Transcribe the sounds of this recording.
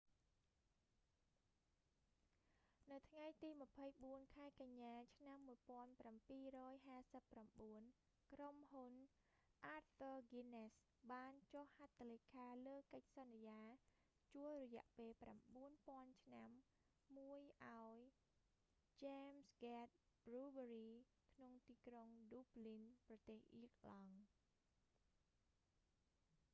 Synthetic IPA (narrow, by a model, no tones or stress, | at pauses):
nɨwt̪ʰŋajt̪iːmə̆pʰəjɓuənkʰaɛkaɲːaːt͡ɕʰnamːuəjpŏənprampiːrɔːjɦaːsəpːramɓuən | kromɦun | ʔaːt̚fəːɡines | ɓaːnt͡ɕohhat̪ʰːalekʰaːləːkəc̚sɑnːijaː | t͡ɕuəlrɔjɛ̆əʔpeːlpramɓuənpŏənt͡ɕʰnamː | uəjʔaɔj | t͡ɕɛmsɡat̪̚b̥ruːɓəɾiː | kʰnoŋt̪iːkroŋduːplinprɑt̪eːhʔiək̚lɑŋ